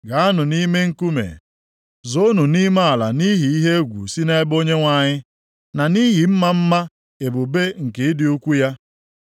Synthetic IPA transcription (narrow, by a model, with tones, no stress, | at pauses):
ɡa˨a˦nʊ˨ni˦me˦ŋ̩˦ku˦mḛ˨ | zo˦nu˨ni˦ma˦a˨la̰˨ni˦ɦi˨i˦ɦe˦e˦ɡʷṵ˨si˦ne˦e˦bo˦ɲe˦ŋʷa˨ɲɪ˦ | na˨ni˦ɦi˨m̩˦ma˦m̩˦ma˦ | e˨bʊ˨be˦ŋ̩˨ke˨ɪ˦dɪ˨u˦kʷu˦ja˦